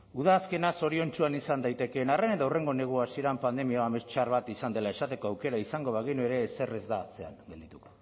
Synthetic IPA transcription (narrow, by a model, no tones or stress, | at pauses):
uðaːske̞naso̞ɾio̞nt͡ʃuanisand̪ajt̪e̞ke̞nare̞net̪awre̞ŋɡo̞ne̞ɣ̞uasieɾampand̪e̞mioamest͡ʃaɾβat̪isand̪e̞lae̞sat̪e̞ko̞awke̞ɾaisaŋɡo̞βaɣinue̞ɾe̞ːse̞re̞zd̪aːt͡se̞a̰ŋɡe̞ld̪it̪uko